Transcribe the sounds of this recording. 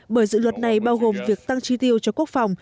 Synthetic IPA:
ɓəː˧˩jzɨ̰˧˨lwə˨˩t̚na˨˩jɓaː˧wɣo˨˩mvi˨˩ək̚t̪a˧ŋt͡ɕi˧t̪i˧əwt͡ɕɔ˧ku˦˥ək̚fa˨˩wŋ͡m

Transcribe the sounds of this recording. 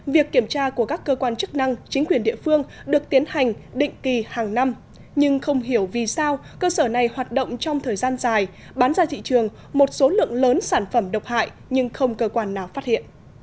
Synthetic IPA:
vi˨˩əkːi˧˩əmt͡ɕaː˧ku˧˩əkaː˦˥kːəː˧kwaː˧nt͡ɕɨ˦˥k̚na˧ŋt͡ɕï˨˦ŋ̟kwi˨˩ənɗḭ˧˨əfɨ˧əŋɗɨ˨˩ək̚t̪i˨˦ənha˨˩jŋ̟ɗḭ̈˧˨ŋ̟ki˨˩haː˨˩ŋna˧m | ɲɨ˧ŋxə˧wŋ͡mɦi˧˩əwvi˨˩saː˧w | kəː˧səː˧˩na˨˩jhwaː˨˩t̚ɗo̰˧˨wŋ͡mt͡ɕɔ˧wŋ͡mt̪ʰəː˨˩jzaː˧nzaː˨˩j | ɓaː˨˦nzaː˧t̪ʰḭ˧˨t͡ɕɨ˨˩əŋ | mo˨˩t̚so˨˦lɨ̰˧˨əŋləː˨˦nsaː˧˩nfə˧˩mɗə˨˩wk͡p̚ha̰ː˧˨j | ɲɨ˧ŋxə˧wŋ͡mkəː˧kwaː˧nːaː˨˩wfaː˦˥t̚hḭ˧˨ən

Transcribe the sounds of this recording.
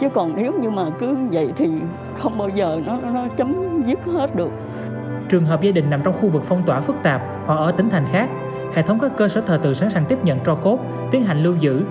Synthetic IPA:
t͡ɕɨ˨˦kɔ˨˩nne˨˦wŋ͡mɲɨ˧maː˨˩kɨ˨˦və̰˧˨jt̪ʰi˨˩ | xə˧wŋ͡mɓaː˧wzəː˨˩nɔ˨˦nɔ˨˦t͡ɕə˨˦mzi˦˥ət̚he˦˥t̚ɗɨ˨˩ək̚ | t͡ɕɨ˨˩əŋɦəː˨˩p̚zaː˧ɗï˨˩ŋ̟na˨˩mt͡ɕɔ˧wŋ͡mxu˧vɨ˨˩k̚fɔ˧wŋ͡mt̪waː˧˩fɨ˦˥k̚t̪aː˨˩p̚ | ha̰˧˩ʔəː˧˩t̪ï˨˦ŋ̟t̪ʰa˨˩ŋ̟xaː˦˥k̚ | hḛ˧˨t̪ʰə˨˦wŋ͡mkaː˦˥kːəː˧səː˧˩t̪ʰəː˨˩t̪ɨ̰˧˨saː˨˦nsaː˧ŋt̪i˦˥p̚ɲə̰˧˨nt͡ɕɔ˧ko˦˥t̚ | t̪i˨˦ənɦa˨˩jŋ̟lɨ˧wzɨ̰˧˥

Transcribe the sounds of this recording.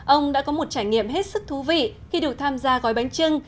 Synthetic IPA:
ʔə˧wŋ͡mɗa̰ː˧˥kɔ˨˦mo˨˩t̚t͡ɕaː˧˩jŋḭ˧˨əmɦe˦˥t̚sɨ˦˥k̚t̪ʰu˨˦vḭ˧˨xi˧ɗɨ˨˩ək̚t̪ʰaː˧mzaː˧ɣɔ˨˦jɓa˨˦ŋt͡ɕɨ˧ŋ

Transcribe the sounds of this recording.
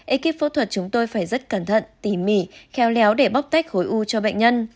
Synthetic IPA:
ʔe˧ki˦˥p̚fo̰˧˦t̪ʰwə˨˩t̚t͡ɕʊ˨˦ŋ͡mt̪o˧jfaː˧˩jzə˦˥t̚kə˧˩nt̪ʰə̰˧˨nt̪i˧˩mi˧˩xɛ˨˦wlɛ˨˦wɗe˧˩ɓa˦˥k͡p̚t̪a˦˥jk̟̚xo˨˦jʔu˧t͡ɕɔ˧ɓḛ˧˨ŋ̟ɲə˧n

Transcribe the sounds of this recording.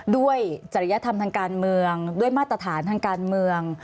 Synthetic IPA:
du˥˩əjt͡ɕa˨˩ɾi˦˥ja˧t̪ʰa˧mt̪ʰaː˧ŋkaː˧nmɯ˧əŋdu˥˩əjmaː˥˩t̪̚ːɾa˧t̪ʰaː˩˦nt̪ʰaː˧ŋkaː˧nmɯ˧əŋ

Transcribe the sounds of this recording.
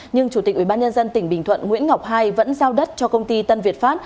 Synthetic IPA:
ɲɨ˧ŋt͡ɕu˧˩˨k̚wi˧˩ɓaː˧ɲə˧nzə˧nt̪ï˨˩ŋ̟ɓï˨˩ŋ̟t̪ʰwə̰˧˨nŋḭ˧˥ənŋa˨˩wk͡p̚ɦaː˧jvə̰˧˥nzaː˧wɗə˦˥t̚t͡ɕɔ˧kə˧wŋ͡mt̪i˧t̪ə˧nvi˨˩ət̚faː˦˥t̚

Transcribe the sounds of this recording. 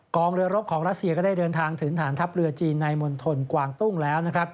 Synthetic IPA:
kɔː˧ŋɾɯ˧ɐɾo˦˥p̚kʰɔː˩˦ŋɾa˦˥t̪̚si˧kɔː˥˩daː˥˩jdɤː˧nt̪ʰaː˧ŋt̪ʰɯ˩˦ŋt̪ʰaː˩˦nt̪ʰa˦˥p̚ɾɯ˧ɐt͡ɕiː˧nːa˧jmo˧nt̪ʰo˧nkwaː˧ŋt̪u˥˩ŋlɛː˦˥wna˦˥kʰɾa˦˥p̚

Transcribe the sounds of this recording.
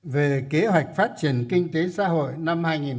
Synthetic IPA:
ve˨˩ke˨˦ɦwa˨˩jk̟̚faː˦˥t̚t͡ɕi˨˩ənkï˧ŋ̟t̪e˨˦sa̰ː˧˥ɦo̰˧˨jna˧mhaː˧jŋi˨˩n

